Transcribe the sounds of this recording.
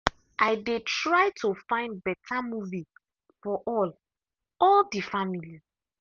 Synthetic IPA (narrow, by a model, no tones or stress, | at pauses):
ʔajdetɹaɪtʰofãɪ̃nd̚bɛtʰamuvi | fɔʔɔl | ɔldifamili